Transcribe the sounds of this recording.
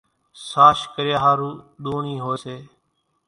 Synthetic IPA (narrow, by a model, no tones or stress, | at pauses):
saːʃkəɾɪjaːɦaːɾuːɗ̪oːɳiːɦoːeːseː